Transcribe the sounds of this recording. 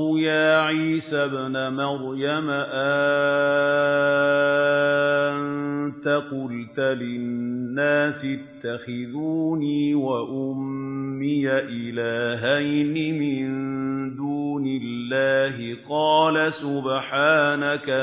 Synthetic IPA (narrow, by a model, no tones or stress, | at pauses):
jaːʕiːsabnamɑɾjamaʔa | nnt̪aqʊlt̪alɪnːaːsɪt̪ːaxɪðuːniːwaʔʊmːɪjaʔɪlaːɦajnɪmɪnnd̪uːnɪlːaːɦɪqɑːlasʊbħaːnaka